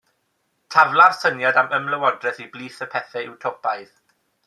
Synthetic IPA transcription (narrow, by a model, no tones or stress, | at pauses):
tʰavlˠarsənjadaməmləwɔdrɛθibliːθəpʰɛθɛɪwtʰopajð